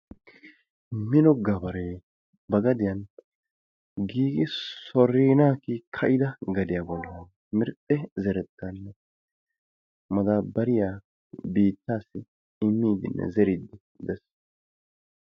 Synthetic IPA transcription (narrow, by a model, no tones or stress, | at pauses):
mɪnɔɡɐbɐɾe | bɐɡɐd̪ɪjɐn | ɡiːɡɪsɔɾiːnaːkɪkʰɐʔɪd̪ɐɡɐd̪ɪjabɔlːɐ | mɪɾt̪ʼːɛzɛɾɛt̪ːanːɛ | mɐd̪aːbɐɾɪja | biːt̪ːaːsːɪ | ɪmːiːd̪ɪ̰nːɛ̰zɛɾɪd̪ɪ | d̪ɛs